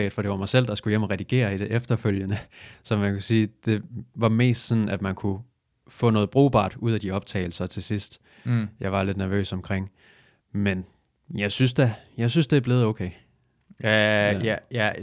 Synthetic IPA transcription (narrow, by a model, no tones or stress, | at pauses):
ɪd̥fɒ̽d̥e̝ʋɑ̈mɑ̈ɪsel̰d̥ɑ̈sɡ̥ujem̰ɒʁɛd̥iɡ̥e̝̰ːɐid̥eʔefd̥ɐføljənəsɒ̽mænkʰusiːd̥e̝ʋɑ̈me̝̰ːsd̥sɒ̽nn̩æd̥mænkʰu | fɔ̰ːnɔ̽ːð̞̩ˠb̥ʁṵːb̥ɑ̰̈ːd̥uð̞̰ˠæd̥iɒ̽b̥̚t͡sʰɛ̰ːɪl̩sɐt͡sʰe̝lsisd̥ | jɑ̈ɪʋɑ̈le̝d̥næɐʋø̰ːsɒ̽mkʰʁeŋ̰ | men | jɑ̈ɪsynsd̥æjɑ̈ɪsynsd̥eæɐb̥le̝ːð̞̩ˠoʊkʰeɪ | jæ